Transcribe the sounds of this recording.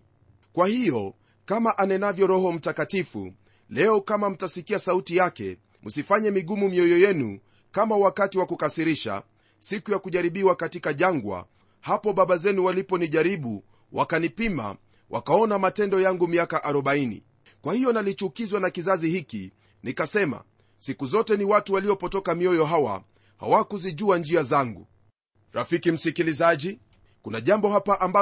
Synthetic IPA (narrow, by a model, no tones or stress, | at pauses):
kwahijɔ | kamaʔanɛnavjɔɾɔɦɔm̩takatifṵ | lɛɔkamam̩tasikiasautijakɛ̰ | musifaɲɛmiɠumumiɔjɔjɛnṵ | kamawakatiwakukasiɾiʃa̰ | sikujakuʄaɾiɓiwakatikaʄaŋɡwa̰ | hapɔɓaɓazɛnuwalipɔniʄaɾiɓu | wʔa̰kanipima̰ | wʔa̰kaɔnamatɛndɔjaŋɡumiakaʔaɾɔɓainḭ | kwahijɔnalit͡ʃukizwanakizazihiki | nikasɛma̰ | sikuzɔtɛniwatuwaliɔpɔtɔkamiɔjɔɦawa̰ | ha̰wakuziʄuand͡ʒiazaŋɡṵ | ɾafikim̩sikilizaʄi | kunaʄambɔɦapaʔamba